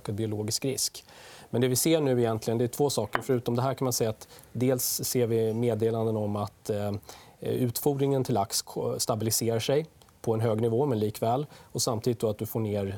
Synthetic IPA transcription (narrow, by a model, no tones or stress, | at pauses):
kabɪʊloːɡɪskɾɪ̰skmɛnd̪ɛvɪseːɳʉ̟ːɪjɛnt̪lɪɡənd̪ɛæʈʰv̥oːsɑːkəɾfœɾʉ̟ːt̪ɔmd̪ɛɦæːɾkʰanmansɛjːat̪d̪eːlsːeːɾvɪmeːd̪eːland̪ənɔmat̪ | ʉ̟ːt̪fuɖnɪŋənt̪ʰɪlaksʰst̪abɪlɪseːɾaʂɛj | pʰɔɛnɦøːɡnɪvoːmɛnliːkvɛːlɔsamt̪ʰiːd̪ɪt̪̚d̪ɔat̪̚d̪ɵfoːɳeːɾ